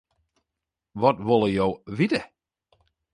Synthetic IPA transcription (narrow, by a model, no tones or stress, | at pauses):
ʋɔtʋɔlˠəjowʋitə